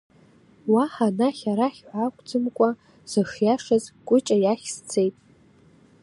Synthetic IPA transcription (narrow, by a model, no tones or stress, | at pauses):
waħanaχʲaɾaχʲħʷakʷʼd͡zʼɨmkʷʼa | z̥ɨxjaʂazkʷʼʊt͡ʃʼajaχʲst͡sʰe̞jtʼ